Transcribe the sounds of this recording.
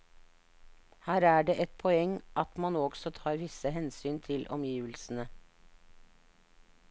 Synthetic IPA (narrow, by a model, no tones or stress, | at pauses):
hæːɾæːɖeːʔɛt̪̚pʰɔɛŋʔɑt̪mɑnoːɡsɔt̪ʰɑːɾʋɪsəɦɛnsyːnt̪ʰɪlʔɔ̰mjiːʋəlsn̩ə